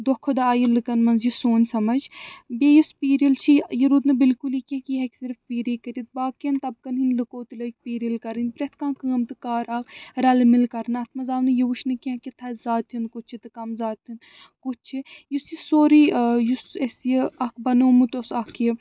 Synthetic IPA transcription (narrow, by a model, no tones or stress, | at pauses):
d̪okʰod̪ɐaːjilɨkɐnmɐnzjisoːnʲsɐmɐd͡ʒbeːjuspiːɾilt͡ʃʰijiɾud̪nɨbilkulikʲĩkiɦɐkʲsiɾfpiːɾikɐɾʲit̪̚baːkjɐnt̪ɐb̚kɐnɦinlɨkoːt̪ulɐk̚piːɾilkɐɾɨnʲpɾet̪ʰkãːkəːmt̪ɨkaːɾakɾɐlmilkɐɾnɐt̪ʰmɐzaːʋnɨjiʋuʃʰnɨkiãkit̪ʰɐzaːt̪ʰinkut͡ʃʰit̪ɨkɐmzaːt̪ːin | kut͡ʃʰijusjisoːɾijusesjiɐkʰbɐnoːmut̪osɐkʰji